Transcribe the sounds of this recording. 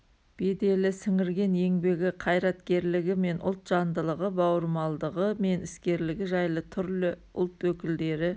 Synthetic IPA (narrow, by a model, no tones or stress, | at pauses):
b̥e̞d̪e̞lɪsɪŋɪɾɡʲe̞ne̞ŋbe̞ɡʲɪqʰɑjɾɑt̪kʲe̞ɾlɪɡʲɪme̞nʔʊ̰lˠt̪ʒ̥ɑnd̪əlˠəʁəbɑwəɾmɑlˠd̪əʁəme̞nɪskʲe̞ɾlɪɡʲɪʒɑjlˠət̪ʰʏɾlɪ | ʊlˠt̪wɵkʲɪld̪e̞ɾɪ